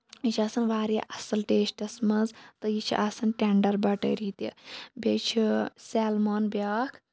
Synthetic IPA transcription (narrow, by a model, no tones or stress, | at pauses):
it͡ʃʰɐsɐnʋaːɾiʔɐsɐlʈeːsʈɐsmɐnzt̪ɨjit͡ʃʰḭʔɐsɐnʈʲeɳɖɐɾbɐʈə̰ɾiːt̪ibʲet͡ʃʰiseːlmoːnbjaːkʰ